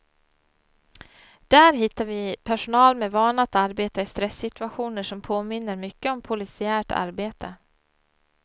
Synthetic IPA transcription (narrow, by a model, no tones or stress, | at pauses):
d̪̥æːɾɦɪt̪ːaɾvɪpʰæʂʊnɑːlmeːvɑːnat̪aɾbeːt̪aɪst̪ɾɛsːɪt̪ɵaɧuːnəʂɔmpʰoːmɪnːəɾmʏkːəɔmpʰʊlɪsɪæːʈʰa̰ɾbeːt̪ʰə